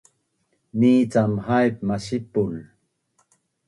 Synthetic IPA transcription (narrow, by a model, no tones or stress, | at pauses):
niːt͡samhajp̚maʃipul